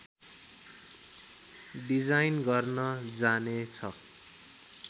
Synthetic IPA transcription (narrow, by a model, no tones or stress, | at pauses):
ɖid͡zajnɡʌrnʌd͡zanet͡sʰʌ